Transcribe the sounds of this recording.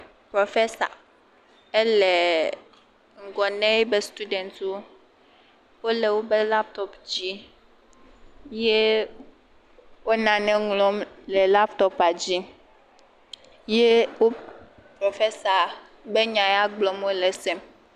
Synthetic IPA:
pɾo˨fe˦sa̰˨ | e˦lɛ˨ | ŋ̩˨ɡɔ˨nɛ̃˦be˦st̪u˦dɛ˨nt̪o˦ | wo˦le˨wo˦be˦la˦p̚t̪ɔ˦pd͡ʑi˦ | je˦ | wo˦nã˨nɛ̃˦ŋlɔ˦mlɛ˨la˦pt̪ɔ˦pa˨d͡ʑi˦ | je˦wo˦pɾo˨fe˦sa˨ | be˦ɲã˨ja˦ɡ͡blɔ˨mwo˦lɛ˨sɛ˦m

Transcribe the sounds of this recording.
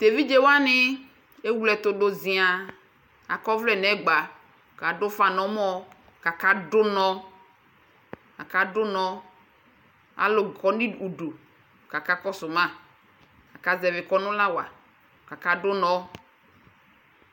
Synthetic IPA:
t̪e˨vi˦d͡ʒe˦wa˦nɪ˦ | e˦wu˦lɛ˨t̪ʊ˨do˨zĩ˨a˨ | a˨kɔ˦vlɛ˨nɛ˨˦ɡ͡ba˨ | ka˨dʊ˦fa˨nɔ̃˨˦mɔ˦ | ka˨ka˦dʊ˦nɔ˦ | a˨ka˨dʊ˦nɔ̃˦ | a̰˨lʊ˨kɔ˨nĩ˦u˨ɖu˨ | ka˨ka˦kɔ˦sʊ˨mã˦˨ | a˨ka˦zɛ˨vɪ˨kɔ˦nʊ̃˦la˦wa̰˨ | ka˨ka˦dʊ˦nɔ̃˦

